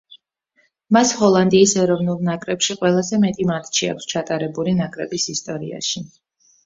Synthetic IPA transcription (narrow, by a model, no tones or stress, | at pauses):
mashɔlˠand̪iːsɛɾɔvnulˠnakʼɾɛpʃiqʼwɛlˠazɛmɛt̪ʼimat̪ʰʼt͡ʃʰia̰kʷʰst͡ʃʰat̪ʼaɾɛbulinakʼɾɛbisist̪ʼɔɾḭa̰ʃi